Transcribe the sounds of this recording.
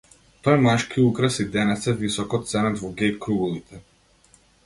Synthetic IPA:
t̪ɔjmaʃkʰiukɾasid̪ɛnɛt̪sɛvisɔkɔt̪sɛnɛd̪vɔɡɛkɾuɡulˠit̪ʰɛ

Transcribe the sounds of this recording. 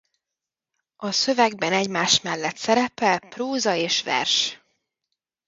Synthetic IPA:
ɒsøvɛɡbɛnɛɟmaːʃmɛlːɛt̪sɛɾɛpɛlpruːzɒeːʃʋɛ̰rʃ

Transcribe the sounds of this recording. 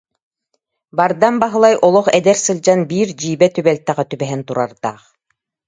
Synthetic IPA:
baɾd̪anbaɦɯlˠajʔɔlˠɔχɛd̪ɛɾsɯlʲˠd͡ʑanbiːɾd͡ʑiːbɛt̪ybɛlt̪ːɛʁɛt̪ybɛɦɛnt̪uɾaɾd̪a̰ːχ

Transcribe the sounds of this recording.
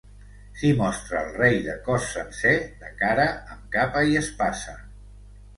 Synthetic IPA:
kimɔst̪ɾəːlˠrejðəkɔsːənsed̪əkaɾəəmkapəiəspasə

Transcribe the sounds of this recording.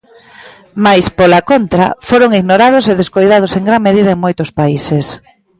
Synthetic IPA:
majspolakont̪ɾa̰foɾoŋiɣnoɾað̞ʊseðeskojðaðʊseŋɡɾaŋmeðiðɐeŋmojt̪ʊspaises

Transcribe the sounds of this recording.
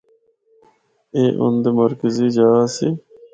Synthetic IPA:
eːʔʊ̰nd̪eməɾkəziːd͡ʒaːsi

